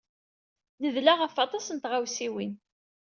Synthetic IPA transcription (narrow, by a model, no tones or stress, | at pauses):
nəðlaʁəfɑt̪ˤɑsənt̪ʁawsiwin